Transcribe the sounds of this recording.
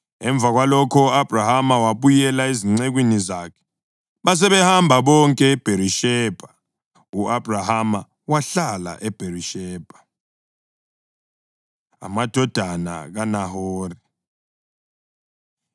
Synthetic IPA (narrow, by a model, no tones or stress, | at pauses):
ɛɱb̪vʱaɣwalɔkʰɔab̥ʱrahamawaβujɛlaeziŋ͡ǀeɣwinizakʰɛ̥ | βas̬ɛβɛhambʱaβɔŋkʼɛːb̥ʱeɾiʃɛːb̥ʱa | uʔab̥ʱrahama | waɬala̰ʔɛb̥ʱeriʃɛːb̥ʱḁ | a̰mad̥ʱɔd̥ʱana̰ɣanahoːri